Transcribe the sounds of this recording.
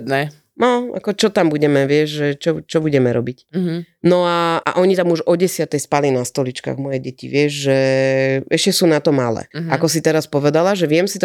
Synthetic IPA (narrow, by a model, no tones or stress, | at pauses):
d̪nɛ | nɔa̰kɔt͡ʃɔt̪ambuɟɛmɛʋɪɛʒʒɛt͡ʃɔt͡ʃɔbuɟɛmɛɾɔbicnɔaʔa̰ʔɔɲit̪amuʒɔɟɛsɪat̪ɛjspalinast̪ɔlit͡ʃka̰ːɣmɔjɛɟɛcḭʋɪɛʒʒɛ | ɛʃcɛsuːnat̪ɔma̰lɛ̰akɔsit̪ɛɾaspɔʋɛd̪alaʒɛʋɪɛmsit̪ɔ